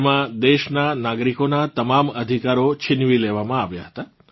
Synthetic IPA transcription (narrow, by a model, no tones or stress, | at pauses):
mãd̪eʃnanaɡɾikonat̪əmaməd̪ʱikaɾot͡ʃʰɪnʋileʋamãaʋja̰ɦət̪a